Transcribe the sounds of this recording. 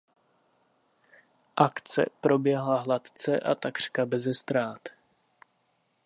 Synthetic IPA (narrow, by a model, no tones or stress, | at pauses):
ʔakt͡sɛ̰pɾo̞bjɛɦlaɦlat̪t͡sɛʔa̰t̪akr̝̥kabɛzɛst̪ɾaːt̪